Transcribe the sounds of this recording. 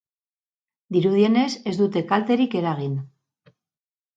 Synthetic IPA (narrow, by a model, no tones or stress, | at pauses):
d̪iɾuðie̞ne̞se̞zd̪ut̪e̞kalt̪e̞ɾike̞ɾaɣ̞in